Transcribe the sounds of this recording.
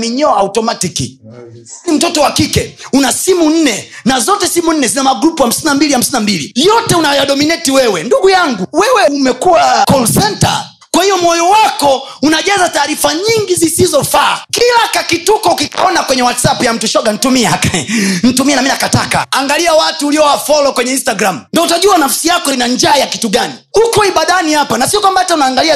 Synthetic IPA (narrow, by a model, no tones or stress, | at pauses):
miɲɔautɔmatikḭ | im̩tɔtɔwakikɛunasimun̩nɛnazɔtɛsimun̩nɛzinamaɡɾupuham̩sinambiliham̩sinambilḭjɔtɛunajaɗɔminɛtiwɛwɛnduɡujaŋɡuwɛwɛumɛkuwakɔnsɛnta̰ | kwahijɔmɔjɔwakɔunaʄazataːɾifaɲiŋɡizisizɔfaːkilakakitukɔukikɔnakwɛɲɛwatsapujam̩tuʃɔɡan̩tumiɛakaɛn̩tumiɛnaminakataka̰aŋɡaliawatuːliɔwafɔlɔkwɛɲɛinstaɡɾamundɔutaʄuanafsijakɔinaɲd͡ʒaːjakituɡaniukɔiɓaɗanihapanasiɔkwambaataunaːŋɡalia